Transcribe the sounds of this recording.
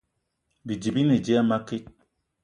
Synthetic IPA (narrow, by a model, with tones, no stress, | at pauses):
bi˨d͡ʒi˨bi˦ne˨d͡ʒe˦a˦ma˦ke˦t̚